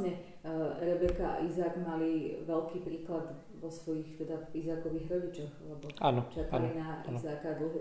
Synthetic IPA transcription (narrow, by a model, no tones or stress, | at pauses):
ɲɛ | ɾɛbɛkaa̰ʔizaːɡmaliʋɛlkiːpɾiːklad̪ | ʋɔsʋɔjixt̪ɛd̪aizaːkɔʋiːɣɾɔɟit͡ʃɔxalɛbɔaːnɔt͡ʃakanlinaizaːkad̪l̩ˠɦu